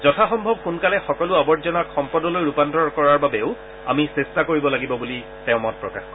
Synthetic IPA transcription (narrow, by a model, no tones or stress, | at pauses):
zɔtʰaxɔmbʱɔb̚kunkalɛxɔkɔlʊabɔɹtzɔnakʰxɔmpɔdɔlojɹupandɔɹkɔɹaɹbabɛʊ | a̰misestakoɹibɔlaɡibɔbuli | tɛʊ̃mɔt̚pɹɔka̰xɔ